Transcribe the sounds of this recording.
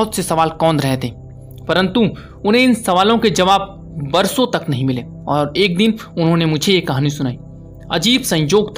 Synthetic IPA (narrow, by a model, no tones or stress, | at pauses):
ɦʊt̪sesɐʋaːlkɔːnɾɛɦt̪ẽ | pɐɾə̃nt̪u | ʊnɦẽɪnsɐʋaːlõked͡ʒɐʋaːb̚ | bɐɾsõt̪ɐknɐɦĩmɪleː | ɔːɾeːk̚d̪ɪnʊnɦõnemʊd͡ʒʱejekɐɦaːnĩsʊnaːiː | ɐd͡ʒiːbsɐ̃ɲjoːɡt̪ʰ